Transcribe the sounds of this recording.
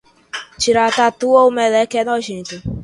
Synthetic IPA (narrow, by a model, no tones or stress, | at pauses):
t͡ʃiɾatatuoumelɛkɛnɔʃitʊ